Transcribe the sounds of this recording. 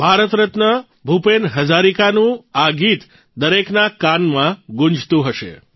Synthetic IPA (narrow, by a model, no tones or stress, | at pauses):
bʱaɾət̪ɾət̪nə | bʱupenɦəd͡ʒaɾikanũaɡit̪ | d̪əɾeknakanmãɡũɲd͡ʒt̪ũɦəʃḛ